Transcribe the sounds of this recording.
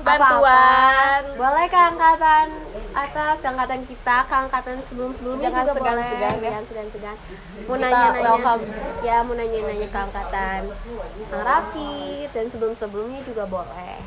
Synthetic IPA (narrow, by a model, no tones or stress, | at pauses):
banpauaanbolɛhkəaŋkat̪anʔat̪askəaŋkat̪ankit̪akəaŋkat̪ansəbəlʊmsəbəlʊmɲaɡaboalɛsədaɲaŋsədaŋsəɡaŋ | munaaɲanaaajamunaɲanaɲakəaŋkat̪anaŋɾafit̪̚dansəbəlʊmsəbəlʊmɲad͡ʒuɡabolɛ̰h